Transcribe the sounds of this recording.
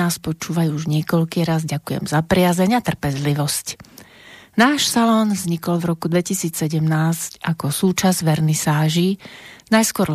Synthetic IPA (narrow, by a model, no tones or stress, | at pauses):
aːspɔt͡ʃuːʋajuuʒɲɪɛkɔʎkiːɾazɟakujɛ̰mzapɾɪazɛɲat̪r̩pɛzliʋɔsc | naːʃsalɔnvzɲikɔlvɾɔkud̪ʋɛcisiːt͡ssɛɟɛmnaːscakɔsuːt͡ʃazʋɛɾnisaːʒinajskʊɔɾ